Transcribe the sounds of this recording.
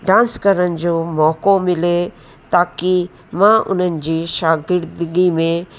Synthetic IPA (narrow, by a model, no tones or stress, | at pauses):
ɖãːnskɐɾənɪ̆d͡ʑoːmɔːkomɪle | t̪aːki | mãʔʊ̰n̤ənɪ̆d͡ʑiːʃaːɡɪɾd̪ɡimẽ